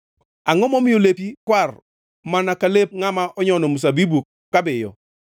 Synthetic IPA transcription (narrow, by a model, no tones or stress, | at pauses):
aŋɔmɔmɪjolepikwar | manakalep̚ŋamaʔɔɲɔnɔmus̬abibu | kabɪjɔ̰